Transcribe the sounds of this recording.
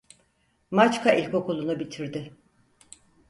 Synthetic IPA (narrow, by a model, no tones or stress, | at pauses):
mat͡ʃkʰaʔilʲko̞kulˠunubit̪ʰiɾd̪ɪ